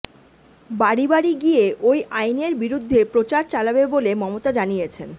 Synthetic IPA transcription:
baɽibaɽiɡijeʔojʔajneɾbiɾud̪ʱːepɾot͡ɕaɾt͡ɕalabebolemɔmot̪ad͡ʑanijet͡ɕʰen

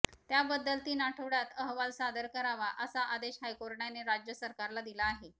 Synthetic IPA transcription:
t̪jabəd̪ːəlt̪iːnaʈʰəʋɽjat̪əɦʋalsad̪əɾkəɾaʋaʔəsaʔad̪eɕɦajkoɾɳjaneɾad͡ʑjəsəɾkaɾlad̪ilaːɦe

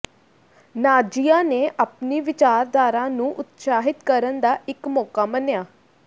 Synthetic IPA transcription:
naːd͡ʒiːãːneːʔapniːʋɪt͡ʃaːɾd̪aːɾãːnũːʔʊt̪saːɦɪt̪kəɾənd̪aːɪkmɔːkaːmənjaː

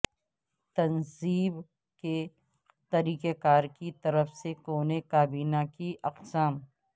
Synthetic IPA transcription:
t̪ɐnziːb | ke | t̪ɐɾiːkekaːɾkit̪ɐɾəfsekoːnekaːbiːnakiʔɐqsaːm

